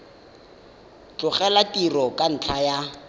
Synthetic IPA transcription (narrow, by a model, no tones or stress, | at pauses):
t͡ɬʊχɛlatirɔkʼan̩t͡ɬʰaja